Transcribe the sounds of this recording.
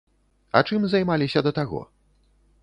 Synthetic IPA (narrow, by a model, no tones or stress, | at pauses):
ɐ̰t͡ʂɨmzajmalʲisʲɐd̪ɐt̪aɣɔ̰